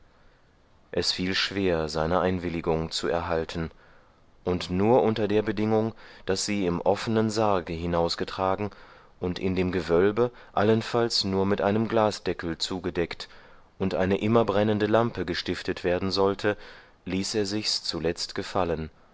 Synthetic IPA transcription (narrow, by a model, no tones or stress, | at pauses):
ʔɛsfiːlʃv̥eːɐzaɪnəʔaɪnvɪlɪɡʊŋt͡suɛ̰ɐɦaltʰn̩ | ʔʊntnuːɐʔʊntɐdeːɐbədɪŋʊŋd̥asz̥iːɪmʔɔfənənzaɐɡəɦɪnaʊsɡ̥ətʁ̥aːɡŋ̩ | ʔʊntɪ̰ndeːmɡəvœlbə | ʔalənfalsnuːɐmɪtʔaɪnəmɡlaːsd̥ɛkl̩t͡suːɡədɛkt | ʔʊntʔaɪnəʔɪmɐbʁɛnəndəlampəɡəʃtɪftətv̥eːɐdn̩zɔltʰə | liːseːɐzɪçst͡sulɛt͡stɡ̥əfalən